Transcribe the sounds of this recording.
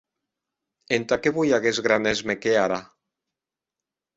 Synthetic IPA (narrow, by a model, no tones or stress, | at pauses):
ent̪akeβujaɣezɣɾanezmekeaɾa